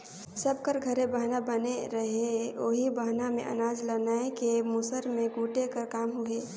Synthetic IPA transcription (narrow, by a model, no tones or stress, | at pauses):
sɐb̚kəɾɡʱɐɾẽbəɦnabɐneɾɐɦeoːɦibaɦnamḛ̃ʔɐ̰naːd͡ʒlɐnaekemʊsəɾmẽɡuːʈekəɾkaːmɦueː